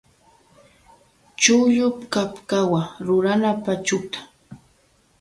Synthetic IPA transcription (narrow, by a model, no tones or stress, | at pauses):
t͡ʃʊʎʊpkapkawaɾʊɾanapat͡ʃʊt̪ḁ